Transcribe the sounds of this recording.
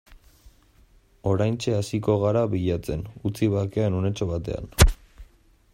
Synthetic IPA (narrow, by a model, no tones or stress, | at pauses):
o̞ɾajnt͡ʃe̞asiko̞ɣ̞aɾaβiʎat͡se̞nut͡siβakeanune̞t͡ʃo̞βat̪e̞̰a̰n